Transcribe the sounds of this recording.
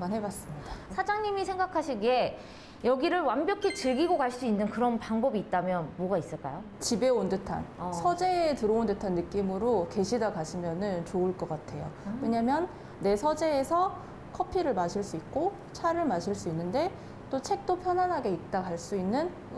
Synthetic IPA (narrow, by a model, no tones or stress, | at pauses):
manɦe̞bas͈ɯmɲid̥asʰad͡ʑaŋɲimisʰe̞ŋɡakʰaɕʰiɡe̞ | jʌɡiɾɯɭwambjʌkʰit͡ɕɯɭɡiɡokaɭs͈uinːɯnkɯɾʌnpaŋbʌbiːt̚t͈amjʌnmoɡais͈ɯɭk͈a̰jo | t͡ɕibe̞ondɯtʰa̰nsʰʌd͡ʑe̞ːtɯɾoondɯtʰanːɯk͈imɯɾoke̞ɕʰidakaɕʰimjʌnɯnt͡ɕoɯɭk͈ʌk͈atʰe̞jo̰wwe̞ɲamjʌnː | e̞sʰʌd͡ʑe̞ːsʰʌ | kʰʌpʰiɾɯɭmaɕʰiɭs͈uik̚k͈o | t͡ɕʰaɾɯɭmaɕʰiɭs͈uinːɯnde̞ | t͈ot͡ɕʰe̞k̚t͈opʰjʌnanɦaɡe̞ik̚t͈akaɭs͈uinːɯn